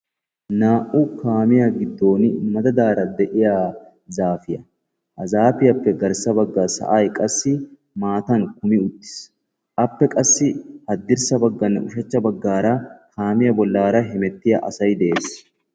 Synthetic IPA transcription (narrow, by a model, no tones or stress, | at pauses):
naːʔukaːmɪjɐɡɪd̪ːo̞ːnɪmɐd̪ɐd̪aːɾɐd̪ɛʔɪja | zaːfɪjɐ | hɐzaːfɪjɐpːɛɡɐɾsɐbɐɡːasɐ̰ʔaːjkʼɐsːɪ | maːt̪ɐŋkʊmɪʊt̪ːɪ̥s | ʔɐpːɛkʼɐsːɪhɐd̪ːɪɾsɐbɐɡːɐnːɛʔʊʃɛt͡ʃːɐbɐɡːaːɾɐkaːmɪjɐbɔlːaːɾɐɦɪmɛt̪ːɪjɐʔɐ̰sɐjd̪ɛʔeːs